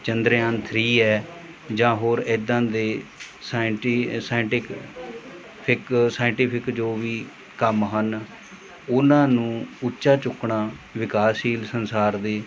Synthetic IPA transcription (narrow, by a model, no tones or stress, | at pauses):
t͡ʃənd̪ɾeːãːnt̪ʰɾiːɛː | d͡ʒãːɦoːɾɪd̪ãːd̪eː | saʈːsaːɪɳʈɪk | pʰɪksaːɪ̃ɳʈɪːpʰɪkd͡ʒoːʋiː | kəmɦən | ʊnãːnũːʊtːʃaːt͡ʃʊkɳaːʋɪkaːsiːlsənsaːɾd̪eː